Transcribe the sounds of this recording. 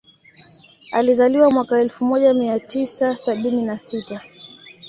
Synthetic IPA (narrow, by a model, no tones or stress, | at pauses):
a̰lizaliwamwakaɛlfumɔʄamiatisasaɓininasita